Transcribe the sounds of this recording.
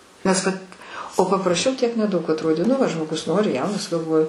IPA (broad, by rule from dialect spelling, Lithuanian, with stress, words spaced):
nʲɛs ˈʋɐt oː pɐprɐˈʃʲɛʊ tʲiɛk nʲɛˈdɐʊk ɐtˈroːdʲeː nʊ ˈʋɐ ʒmoːˈɡʊs ˈnoːrʲɪ ˈjɛʊnɐs ɡɐlˠˈʋoːjʊ